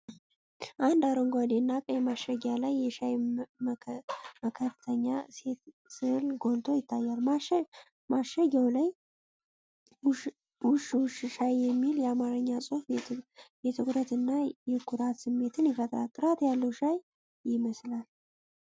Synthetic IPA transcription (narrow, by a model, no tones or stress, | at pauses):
ʔand̪aɾoŋɡʷad̪enːakʼəjɛmaʃəɡalajːɛʃaj | məkʰəɾt̪ʰəɲːase̞t̪ | sɨlɡo̞nt̪ʰo̞jɪt̪ʰːajːal | maʃəɡawlaj | wʊʃʃʃajːɛmːiljɛamaɾɨɲːasʼof | jɛt̪ʰɨkʼɾət̪ɨnːajɛkʰuɾat̪sɨmːe̞t̪ʰɨnjɪfət̪ʼɾa̰t̪ʼɨɾat̪jalːəwʃajː | ɪməslal